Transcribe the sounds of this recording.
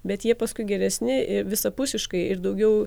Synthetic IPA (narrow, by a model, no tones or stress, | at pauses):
bʲɛt̪jiɛpɐskʊɪɡʲɛɾʲɛsʲnʲɪɪʋʲɪsɐpʊsʲɪʃkɐɪɪɾd̪ɐʊɡʲɛʊ